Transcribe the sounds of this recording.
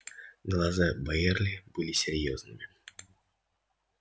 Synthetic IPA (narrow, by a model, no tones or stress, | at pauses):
ɡlˠazabajɛrlʲɪb̥ɨlʲisʲɪɾʲjoznɨmʲɪ